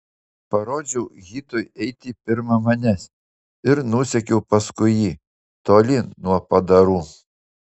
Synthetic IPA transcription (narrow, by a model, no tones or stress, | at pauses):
pɐɾoːd͡ʒʲɛʊɣʲiːt̪oːjɛɪt̪ʲipʲɪɾmɐmɐnʲɛsʲ | ɪɾnuːsʲɛkʲɛʊpɐskʊjiː | t̪oːlʲɪnuɔpɐd̪ɐɾuː